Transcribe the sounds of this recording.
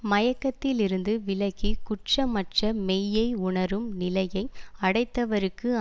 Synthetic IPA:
mɐjɐkːɐt̪ːɪlɪɾɯnd̪ɯʋɪlɐɣikʊʈrɐmɐʈrɐmɛjːɐɪʊɳɐɾɯmnɪlɐjɐɪɐɽɐɪt̪ːɐʋɐɾɯkːɯ

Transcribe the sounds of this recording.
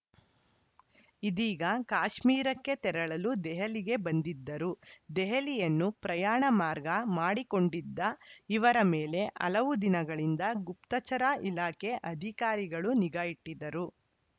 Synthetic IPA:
id̪iːɡɐkaːʃmiːɾɐkːe̞t̪ɛɾɐɭɐlud̪ɛɦɐliɡebɐnd̪id̪ːɐɾud̪ɛɦɐlijɐnːupɾɐjaːɳɐmaːɾɡɐmaːɽiko̞ɳɖid̪ːɐiʋɐɾɐmeːle̞ʔɐ̰lɐʋud̪inɐɡɐɭind̪ɐɡupt̪ɐt͡ʃɐɾaʔilaːke̞ʔɐd̪ʱikaːɾiɡɐɭuniɡaːjiʈːid̪ɐɾu

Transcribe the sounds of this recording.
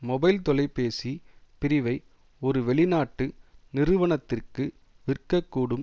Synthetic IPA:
mɔbɐɪlt̪ɔlɐɪpeːsipɪɾɪʋɐɪ | ɔɾɯʋɛɭɪnaːʈːɯnɪrɯʋɐɳɐt̪ːɪrkɯ | ʋɪrkːɐkːuːɽɯm

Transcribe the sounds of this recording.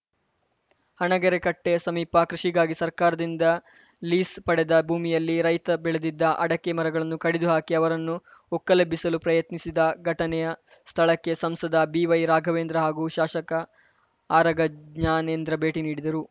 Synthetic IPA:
hɐɳɐɡɐɾekɐʈːe̞sɐmiːpɐkɾiʂiɡaːɡisɐɾkaːɾɐd̪ind̪ɐ | liːspɐɽed̪ɐbʱuːmijɐlːiɾɐjt̪ɐbɛɭed̪id̪ːɐʔɐɽɐkːemɐɾɐɡɐɭɐnːukɐɽed̪uɦaːkiɐʋɐɾɐnːuɔkːɐlɐbʱisɐlupɾɐjɐt̪nisid̪ɐɡʱɐʈɐnɛjɐ | st̪ʰɐɭɐkːe̞sɐmsɐd̪ɐbiːʋɐjɾaːɡʱɐʋeːnd̪ɾɐɦaːɡuʃaːʃɐkɐ | aːɾɐɡɐɲaːneːnd̪ɾɐbe̞ːʈiniːɽid̪ɐɾu

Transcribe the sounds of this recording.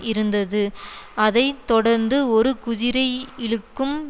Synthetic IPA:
ɪɾɯnd̪ɐðɯɐðɐɪt̪ːɔɽɐɾnd̪ɯɔɾɯkʊðɪɾɐɪɪɻɯkːɯm

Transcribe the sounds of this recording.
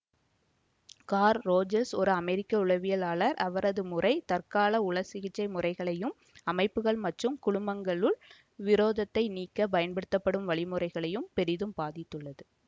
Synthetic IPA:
kaːɾːoːd͡ʒɐɾsɔɾɯɐmɛɾɪkːɐʊɻɐʋɪjɐlaːɭɐɾɐʋɐɾɐðɯmʊrɐɪt̪ɐɾkaːlɐʊɭɐsɪɣɪt͡ʃːɐɪmʊrɐɪɣɐɭɐjɯm | ɐmɐɪpːɯɣɐɭmɐʈrɯmkʊɽʊmbɐŋɡɐɭɯɭ | ʋɪɾoːðɐt̪ːɐɪniːkːɐpɐjɐnpɐɽɯt̪ːɐpːɐɽɯmʋɐɭɪmɯrɐɪɣɐɭɐjɯmpɛɾɪðɯmbaːðɪt̪ːɯɭːɐðɯ

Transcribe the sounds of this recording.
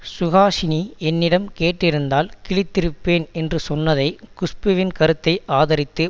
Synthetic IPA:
sʊɣaːsɪniɛnːɪɽɐmkeːʈːɪɾɯnd̪aːlkɪɭɪt̪ːɪɾɯpːeːnɛndrɯsɔnːɐðɐɪkʊspɯʋɪnkɐɾɯt̪ːɐɪʔaːðɐɾɪt̪ːɯ

